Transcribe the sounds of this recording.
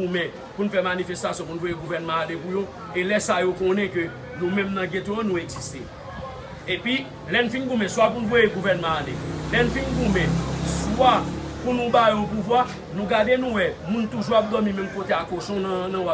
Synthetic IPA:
umɛ̃ | punũfɛmanifɛst̪asjɔ̃p̬unuvojeɡuvɛnmɑ̃alepujo | elɛsajokɔ̃nɛ̃kø | nũmɛ̃mnɐ̃ɡet̪õãnũeɡzist̪e | epɥi | lɛnũfĩnɡumɛ̃swapunuvojeɡuvɛnmɑ̃alelɛnũfinɡumɛ̃swapunũbajõpuvwa | nũɡadenũwɛmũnt̪uʒuap̚d̪ɔmĩmɛ̃mkot̪eakoʃɔ̃ñnɐ̃a

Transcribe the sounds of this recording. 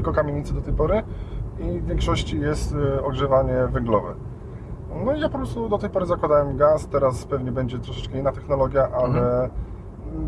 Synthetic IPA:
lkɔkamʲjeɲit̪sd̪ɔt̪ɛjpɔɾɘivʲjɛŋkʂɔɕt͡ɕijɛst̪ɔɡʐɛvaɲɛvɛŋɡlɔvɛ̰ | nɔijapɔpɾɔst̪ud̪ɔt̪ɛjpɔɾɘzakwad̪awɛmɡast̪ːɛɾaspɛvɲɛbɛɲd͡ʑɛt̪ɾɔʂɛ̥t͡ʂkɛinːat̪ɛxnɔlɔɡʲjaʔalɛ

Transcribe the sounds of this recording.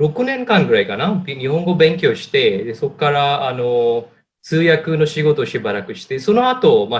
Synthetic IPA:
ɾo̞kɯ̟nẽ̞ŋkãŋɡɯɾaikanabɲ̟ihõ̞ŋɡo̞bẽ̞ŋk̬ʲjo̞ːɕi̥t̪e̞d̪e̞so̞kːaɾaːno̞ | sɨːjakɯ̟no̞ɕiɡo̞t̪oːɕibaɾakɯ̟ɕi̥t̪e̞so̞no̞at̪o̞ma

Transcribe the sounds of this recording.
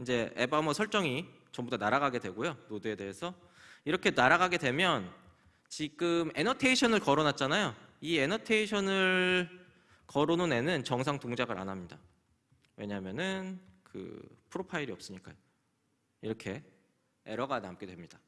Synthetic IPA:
ind͡ʑe̞ḛbamʌsʰʌɭt͡ɕ͈ʌŋi | t͡ɕʌmbutdʰonaɾaɡaɡe̞dwe̞ɡojonodue̞de̞esʰʌ | iɾʌkʰe̞naɾaɡaɡe̞dwe̞mjʌn | t͡ɕiɡɯme̞nʌtʰe̞iɕʰʌnɯɭkʌɾonat̚t͡ɕ͈anajoie̞nʌtʰe̞iɕʰʌnɯɭ | kʌɾonone̞nɯnt͡ɕʌŋsʰaŋtoŋd͡ʑaɡɯɾʔa̰nɦamɲida | we̞ɲaɦmjʌnɯnkɯ̰pʰɯɾopʰaiɾiʌp̚s͈ɯɲik͈a̰jo | iɾʌkʰe̞ | ḛɾʌɡanamk͈e̞dwe̞mɲid̥a

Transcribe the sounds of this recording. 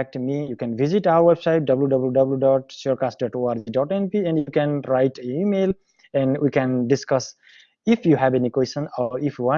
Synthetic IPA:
ɛk̚ʈmijukɛ̃nviziʈaʊəɾwebsaɪʈ̚ɖʌbljuɖʌbljuɖʌbljuɖɔʈsɔɾkasʈ̚ɖɔʈoaɾd͡ʒiɖɔʈẽnpiɛ̃ɳɖjukɛ̃nɾaɪʈeimel | ɛ̃ɳwikɛ̃nɖiskʌs | ifjuɦæbenikwesə̃nɔifwʌ̃

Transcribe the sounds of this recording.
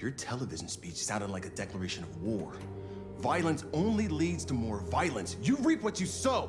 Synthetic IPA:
ə˞tʰɛlˠəvɪʒn̩spit͡ʃsãʊɾɨ̃dˡlaɪkɨdɛklˠə˞eɪʃɨ̃nʌvwɔɹ | vaɪlˠə̃nsõʊ̃nlilidz̥tʰɨmɔɹvaɪlˠə̃nsjɨɹipwʌt͡ʃɨsoʊ

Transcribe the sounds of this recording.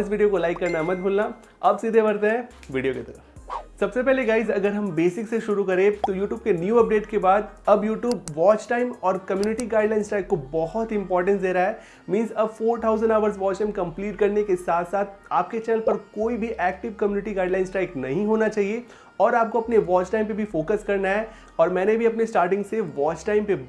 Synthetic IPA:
ɪs̬ʋiːɖijokolaɪkːɐɾnamɐt̪̚bʱuːlna | ɐbsiːd̪ʱebɐɾt̪eɦɛ̃ | ʋiːɖijoket̪ɐɾəfsɐbsepɛɦleɡaːɪzɐɡəɾɦɐ̃mbeːsɪkseʃʊɾukɐɾẽːt̪ojuːʈjuːb̚kenjuːɐp̚ɖeːʈkebaːd̪ɐbjuːʈjuːb̚ʋɔːt͡ʃʈaːɪmɔːɾkɐmjuːnɪʈiɡaːɪɖlaːɪnsʈɾaːɪkːobɔɦɔt̪ɪ̃mpɔːɾʈə̃nsd̪eːɾaɦɛ | mĩːnzɐbfoːɾt̪ʰaːʊzə̃ɳɖaːʋəɾzʋɔːt͡ʃʈãɪ̃mkɐ̃mpliːʈkɐɾnekesaːt̪ʰsaːt̪ʰaːpket͡ʃɛːnəlpɐɾkoːibʱiʔɛːk̚ʈɪʋkɐmjuːnɪʈiɡaːɪɖlãːɪ̃nsʈaːɪknɐ̰ɦĩɦoːnat͡ʃaːɦie | ɔːɾaːp̚koɐpneʋɔːt͡ʃʈãːɪ̃mpebʱifoːkəskɐɾnaɦɛ | ɔːɾmɛ̃ːnebʱiɐpnesʈaːɾʈɪ̃ŋɡseʋɔːt͡ʃʈaːɪ̃mpe

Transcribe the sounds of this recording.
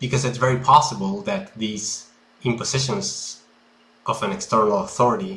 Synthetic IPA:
b̥ɨkʌzɨtsvɛɹipʰɑsəbəl̩ˠðɨt̪̚ðiz | ɪ̃mpɨz̥ɪʃə̃nz | ʔʌvɨ̃nɛkstɜ˞nl̩ˠəθɔɹɨɾi

